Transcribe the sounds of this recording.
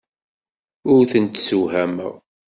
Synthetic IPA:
ʊɾθənt̪suhæməʁ

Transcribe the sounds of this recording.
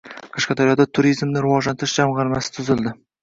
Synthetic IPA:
qʰɑʃqɑd̪ʰaɾijɒd̪at̪ʰʊɾijzmnɪɾʊwɒʒlant̪ɪɾɪʃd͡ʒamʁɑɾmasɪ̥t̪ʰʊzɪlˠd̪ɪ

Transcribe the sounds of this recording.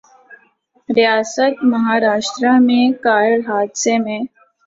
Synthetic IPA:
ɾijaːsət̪mɐɦaːɾaːʃʈɾãmẽkaːɾəɽɦaːd̪semẽː

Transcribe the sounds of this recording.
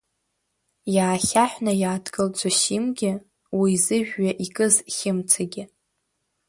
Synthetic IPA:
jaːχʲaħᶣʷnajaːdɡʼɨlt͡sʷʼaʃimɡʲɪ | wizɨʒᶣːaʔikʼɨzχʲɪmt͡sʰaɡʲɪ

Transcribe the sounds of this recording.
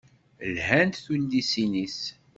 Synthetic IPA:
lhænt̪θund̪isinis

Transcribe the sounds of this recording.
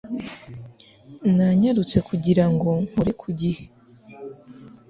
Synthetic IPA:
naɲaɾut͡se̞kʰuɟiɾaŋɡo̞muɾekʰuɟihe

